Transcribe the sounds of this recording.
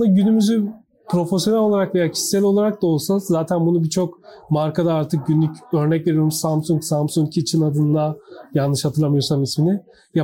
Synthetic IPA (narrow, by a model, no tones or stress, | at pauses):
d̪aɟynymyzy | pʰɾo̞fs̬jo̞nɛlʲo̞lˠaɾakve̞jaːcʰi̥ʃsɛlʲo̞lˠaɾak̚d̪aolˠsazzaːt̪ʰænbunubit͡ʃʰo̞kmaɾkad̪aaɾt̪ʰɯk̚ɟynlʲycø̞ɾnɛcve̞ɾijoɾumsamsuŋksampsuŋkcʰiːt͡ʃʰinad̪ɯnd̪ajanːɯʃhat̪ʰɯɾlˠamɯjo̞ɾsamisminɪ | ja